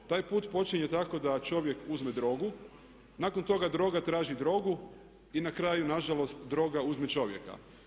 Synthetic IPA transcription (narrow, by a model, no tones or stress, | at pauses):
t̪aːjpuːt̪po̞t͡ʃiɲet̪ako̞d̪at͡ʃo̞ʋje̞kuzme̞d̪ɾo̞ɡu | nako̞nt̪o̞ɡad̪ɾo̞ɡat̪ɾaːʒid̪ɾo̞ɡu | inakɾaːjunaʒalo̞st̪d̪ɾo̞ɡauzme̞t͡ʃo̞ʋje̞̰ka̰